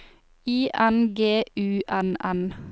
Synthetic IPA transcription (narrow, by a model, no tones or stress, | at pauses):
iːʔænɡeːʔʉːʔænæn